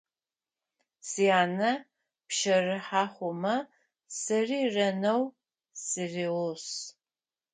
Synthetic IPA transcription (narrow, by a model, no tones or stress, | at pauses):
sijaːnɐ | pʃɐrɨħaːχʷʊmɐ | sɨriːrɐnɐw | sɨriwʊs